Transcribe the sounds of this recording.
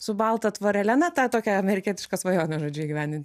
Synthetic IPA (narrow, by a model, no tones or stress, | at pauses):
sʊbɐlˠt̪ɐt̪ʋoːɾʲɛlʲænɐt̪ɑt̪oːkʲɛɐmʲɛɾʲɪkʲiɛt̪ʲɪ̥ʃkɐsʋɐjoːnʲɐʒoːd͡ʒʲʊɛɡʲɪʋʲæːnʲd̪ʲɪnt̪ʲ